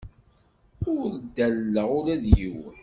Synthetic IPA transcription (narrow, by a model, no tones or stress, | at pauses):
ʊɾɾd̪ːælːəʁʊɾæðjiwə